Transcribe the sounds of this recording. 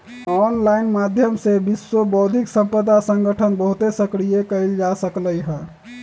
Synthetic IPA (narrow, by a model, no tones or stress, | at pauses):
ɔnlainmad̪ʱjəmsebiswobɔːd̪ʱiksə̃mpəd̪asə̃ŋɡəʈʰənbəɦut̪esəkɾijekəɪld͡ʒasəkləjɦɛ